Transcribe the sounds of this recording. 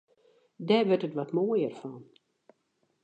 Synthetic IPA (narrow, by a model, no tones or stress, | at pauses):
dɛʋørtətʋɔtmoːjərfɔn